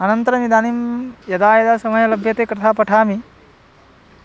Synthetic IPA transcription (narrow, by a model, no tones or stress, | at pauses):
ɐnɐnt̪ɐɾɐmid̪aːnimjɐd̪aːjɐd̪aːsɐmɐjɐlɐbʱjɐt̪eːkɾɐt̪ʰaːpɐʈʰaːmi